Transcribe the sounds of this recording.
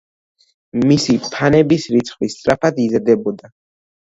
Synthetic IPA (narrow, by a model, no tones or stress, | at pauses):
misipʰanɛbisɾit̪sʰχwist̪sʼɾapʰad̪izad̪ɛbɔd̪a